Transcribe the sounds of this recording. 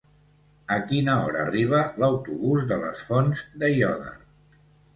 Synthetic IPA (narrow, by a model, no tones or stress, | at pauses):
əkinəɔɾəːriβ̞ələwt̪uβuzðələ̰sfonzd̪əjɔðə̰